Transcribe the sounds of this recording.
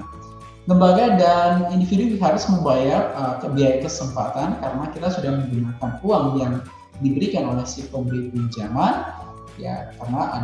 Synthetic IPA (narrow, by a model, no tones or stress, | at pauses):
ləmbaɡadanindifidubiɦaɾʊsməmbajarəkəbiajkəsəmpat̪ankaɾənakit̪asudahməmbunukanpuaŋjaŋ | dibəɾikanolɛhsipəmbəɾipund͡ʒaman | ja̰kaɾənaa̰